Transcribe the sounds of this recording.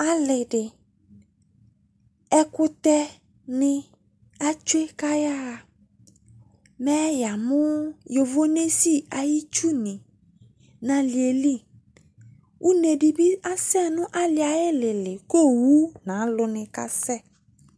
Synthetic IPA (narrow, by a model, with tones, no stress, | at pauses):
a˨lɪ˨dɪ˨ | ɛ˦kʊ˦t̪ɛ˦ | nɪ̃˦ | a˦t͡ʃe˦ka˦ja˦˨ | mɛ˦ja˨mʊ̃˦jo˨vo˦ne˦si˦a˨ji˦t͡ʃu˦nɪ̃˨ | nã˨li˨e˨li˦ | u˦ne˨bi˨bi˦a˦sɛ˦˨nʊ̃˦ʔa˦lɪ˨a˨jɪ˦lɪ˨lɪ˨ko˦˨wu˦nã˨˦lʊ˨nɪ̃˨ka̰˦sɛ˦˨